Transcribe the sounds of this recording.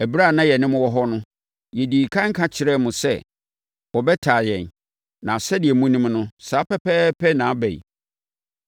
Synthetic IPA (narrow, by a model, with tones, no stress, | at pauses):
æ˨bɾa˦˨nã˦jɛ˨nɪ̃˦mʊ̃˦wɔ˦ɦɔ˦nʊ̃˦ | jɛ˨di˨kʰã˦ŋ˦kʰã˦t͡ɕʰɪ˨ɾɛ˦mʊ̃˨sɛ˦ | wɔ˨bɛ˦tʰaː˨jɛ̃˨n | nã˨sɛ˦dɪ˨ɛ˨mũ˦nĩ˦mnʊ̃˦saː˨˦pɛ˦pʰɛ˦pʰɛ˦nã˨˦bɛ̰˨ḭ˨